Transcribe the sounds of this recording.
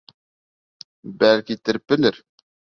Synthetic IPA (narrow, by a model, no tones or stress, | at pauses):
bælkit̪ɘɾɘp̚bɘ̆lɘɾ